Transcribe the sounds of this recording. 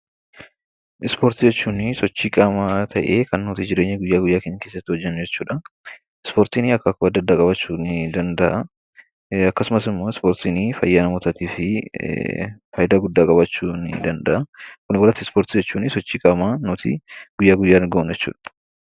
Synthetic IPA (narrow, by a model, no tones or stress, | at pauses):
ɪspoːɾt̪ɪd͡ʒɛt͡ʃːuːnɪsɔt͡ʃːiːkʼamaːt̪ʰɐʔḛːkɐnnuːt̪id͡ʒɪɾe̞ːɲːɛɡʊjːaːɡʊjːaːkeɲːɐkeːsːɐt̪ːɪhɔd͡ʒːɛnːʊd͡ʒɛt͡ʃːuːᶑɐ | ɪspoːɾt̪iːnɪɐkːɐkoɐd̪ːɐd̪ːaːkʼɐbɐt͡ʃːuːnɪd̪ɐnd̪ɐʔɐ | ɐkːɐsʊmɐsɪmːo̞ːɪspoːɾt̪iːnɪfɐ̰jːaːnɐmoːt̪ɐt̪iːfɪ̰ | fɐːjɪd̪aːɡʊd̪ːaːkʼɐbɐt͡ʃːuːnɪ̰d̪ɐnd̪ɐʔɐkʊnɪbɔlɐt̪ːɪspoːɾt̪ɪd͡ʒɛt͡ʃːuːnɪsɔt͡ʃːiːkʼaːmaːnuːt̪ʰḭɡ̥ʊjːaːɡʊjːaːnɡɐʔʊnd͡ʒɛt͡ʃːṵːᶑɐ̥